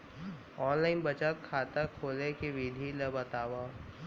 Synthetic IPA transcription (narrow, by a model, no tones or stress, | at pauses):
ɔːnlaːɪnbɐt͡ʃakʰaːt̪akʰoːlekeʋiːd̪ʱilɐbɐt̪aːʋaː